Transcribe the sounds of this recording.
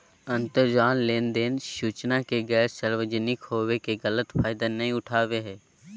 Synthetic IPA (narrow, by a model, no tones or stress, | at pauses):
ə̃nt̪əɾd͡ʒaːnleːnd̪eːnʃuːt͡ʃnakeɡɛːɾsəɾʋəd͡ʒənɪkhoːʋekeɡələt̪pʰaːɪd̪anɐɦĩʊʈʰaːʋeɦɛː